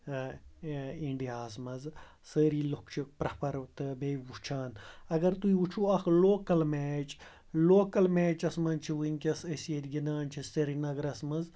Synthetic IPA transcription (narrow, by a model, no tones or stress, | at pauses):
iɳɖijaːzmɐz | səːɾiːlokt͡ʃʰipɾɐpɐɾt̪ɨbeʋut͡ʃʰaːnɐɡɐɾt̪uiut͡ʃʰuɐkloːkɐlmeːt͡ʃ | loːkɐlmeːt͡ʃɐsmɐnt͡ʃʰiʋunʲkʲɐsɐsjet̪ʲɡinaːnt͡ʃʰist̪ɐɾinɐɡɾɐsmɐz